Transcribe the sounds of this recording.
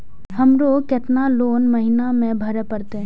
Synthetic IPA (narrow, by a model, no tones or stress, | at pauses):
hɐmɾoːkɪt̪naloːnməɦɪnamẽbʱɐɾepəɾt̪e